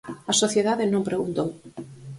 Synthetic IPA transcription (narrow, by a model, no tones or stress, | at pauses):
asoθjeðaðenõmpɾeɣunt̪ow